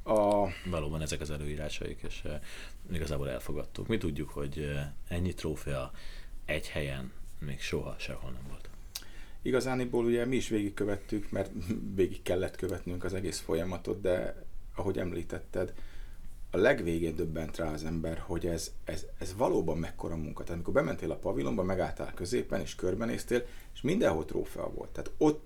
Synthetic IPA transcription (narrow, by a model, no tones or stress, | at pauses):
ɒvɒloːbɒnɛzɛkɒzɛløːiːɾaːʃɒ̰ḭkḛːʃ | iɡɒzaːboːlɛ̰lfoɡɒt̪ːṵkmit̪uɟːukho̞ɟɛɲːit̪roːfɛɒɛɟhɛjɛnmeːkʃo̞ɦɒʃɛ̰holnɛmvolt̪ | iɡɒzaːniboːluɟɛmiːʃʋeːɡikkːøvɛt̪ːykmɛrt̪veːɡikːɛlːɛt̪køvɛt̪nyŋkɒzɛɡeːsfo̞jɒmɒt̪o̞̰d̪̚d̪ɛ̰ɒɦo̞ɟɛ̰mlḭːt̪ɛt̪ːɛd̪ | ɒlɛɡʋeːɡeːnd̪ø̞bːɛnt̪raːɒzɛmbɛrho̞ɟɛzɛzɛzvɒloːbɒmːɛkːo̞ɾɒːmṵŋkɒt̪aːt̪ɒmiko̞rbɛmɛnt̪eːlɒpɒvilo̞mbɒmɛɡaːlt̪a̰ːlkø̞zeːpɛneːʃkørbɛnḛːst̪eːleʃmind̪ɛnɦoːt̪ro̰ːfɛ̰ɒ̰vo̞̰lt̪ːaːt̪o̞t̪ː